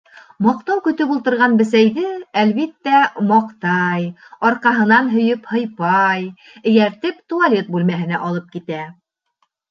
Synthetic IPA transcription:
mɑq̚t̪ɑwkɵ̆t̪ɵpulˠt̪ɤ̆ɾʁɑnbɘ̆s̬æjðɘælβit̪ːæmɑqt̪ɑjɒɾqɑɦɤ̆nɑnɦɵ̆jɵphɤ̆jpɑj | ɘ̆jæɾt̪ɘpt̪ualʲe̞t̪̚bʉlmæɦɘ̆næʔɒlˠɤp̚kit̪æ

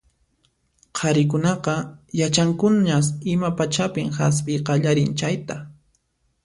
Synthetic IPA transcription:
qʰɑɾɪk̬ʊnɑqɑjat͡ʃaŋkʊnɲasɪmapat͡ʃapɪmxas̬pɪjqɑʎaɾɪnt͡ʃajt̪a

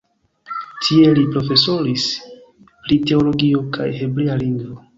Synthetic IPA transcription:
tʰie̞lipɾo̞fe̞so̞ɾis | pɾite̞o̞lo̞ɡio̞ka̰jheblealiŋɡvo

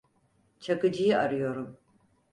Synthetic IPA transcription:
t͡ʃʰɐɡɨd͡ʒijɪʔɐrjoɾɨm

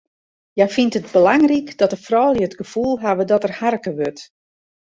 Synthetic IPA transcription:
jafintətbəlaŋrikd̥ɔtəfrɔːlˠjəətɡəfulˠɦaʋədɔtərharkəʋøt

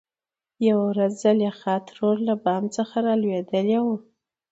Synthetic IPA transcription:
jawawɾazːaljexɑt̪ɾoɾlabɑmt͡səxaɾɑlwed̪əlewu

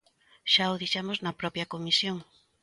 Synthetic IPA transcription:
ʃaoðiʃamoznɐpɾɔpjɐkomisjoŋ

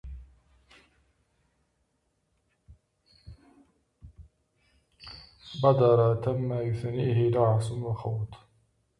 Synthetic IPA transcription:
bɑd̪ɑɾˤɑt̪amːajʊθaniːɦɪlɑʕsʊnwɑxɑwt̪ˤ

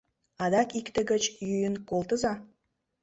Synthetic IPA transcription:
ɑd̪ɑkikt̪ə̆ɡə̆t͡ɕjyjənkolˠt̪ə̆zɑ

